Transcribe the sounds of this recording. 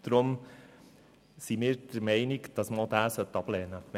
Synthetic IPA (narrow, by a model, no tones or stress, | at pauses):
d̥̪ɾʊm | simɪːɾd̥əɾmɛɪniɡd̥ɑsməod̪æːsœt̪ːɑb̥lɛːnəm